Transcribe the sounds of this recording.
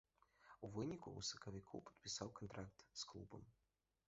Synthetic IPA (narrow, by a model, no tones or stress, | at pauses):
uvɨnʲikṵṵsɐ̥kɐvʲikʰṵpɐ̥t̪̚pʲisawkɐnt̪ɾakt̪sklˠubɐm